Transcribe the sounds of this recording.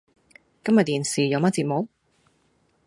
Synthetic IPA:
kɐ˥mjɐ˨t̚t̪iː˨˩nsiː˨˩jɐ˨˧wmɐ˥t̚t͡siː˧t̚mɔ˨˥k̚

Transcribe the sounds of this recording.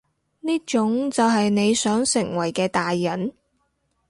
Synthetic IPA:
niː˥t͡ʃʊ˨˥ŋt͡sɐ˨wɦɐ˨jne˨˧jsœː˨˥ŋsɪ˨˩ŋwɐ˨˩jkɛː˧t̪aː˨jːɐ˨˥n

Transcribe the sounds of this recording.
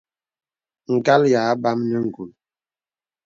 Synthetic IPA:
ŋ̩˨ka˦lja˨˦ba˦mnə˦ŋ̩˨ɡu˨l

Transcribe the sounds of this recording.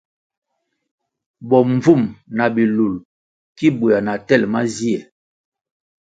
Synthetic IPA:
bɔ˨m˦vu˦˨mna˨bi˨lu˨l | ki˦bu˨a˨na˨tɛ˦˨lma˦zi˦ɛ˨

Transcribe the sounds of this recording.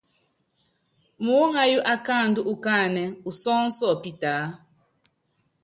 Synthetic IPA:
mu˨wo˦ŋa˦ju˦ʔa˨kaː˦˨ndu˦ʔu˨kaː˦˨nɛ˨u˨sɔ˦n̩˦sɔ˦˨pi˦taː˨˦

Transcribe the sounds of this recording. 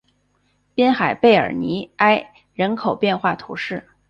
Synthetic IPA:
pjɛ˥nxa˨˩ɪpe˥˩ɪə̰˞˨˩ni˧˥a˥ɪ | ɻə˧˥nkʰo˨˩ʊpjɛ˥˧nxwa˥˩t̪ʰṵ˧˥ʂɻ̩˥˩

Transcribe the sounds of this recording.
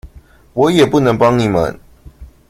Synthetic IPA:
wɔ˨˦jɛ˨˩pu˥˨nə˧˦ŋpɑ˦ŋni˨˩mə̰˨˦n

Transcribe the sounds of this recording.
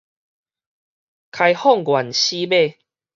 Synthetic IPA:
kʰa˧jhɔ˥˨ŋɡwa˨˩nɕi˦be˥˧˨

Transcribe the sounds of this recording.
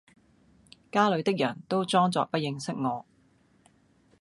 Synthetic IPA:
kaː˥lɵ˨˧ɥt̪ɪ˥k̚jɐː˨˩ŋt̪o˥wt͡sɔː˥ŋt͡sɔ̰ː˨k̚pɐ˥t̚jɪ˧ŋsɪ˥k̚ŋɔː˨˧

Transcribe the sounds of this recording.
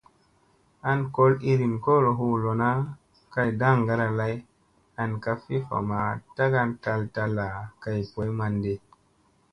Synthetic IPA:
a˧nko˦li˧ɾi˨nko˦ɾo˨ɦu˧lo˨na˦ | ka˧jda˦˨ŋɡa˧ɾa˧la˦j | a˧nka˧fi˦fa̰˨ma˨ta˦ɡa˧nta˧lta˧lːa˨ka˧jpo˨˦jma˧nde˧

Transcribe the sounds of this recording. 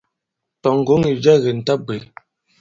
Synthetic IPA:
tɔ˨ŋ̩˨ɡo˨˦ŋi˨d͡ʒa˦ɣe˨n̩˨ta˦be˨

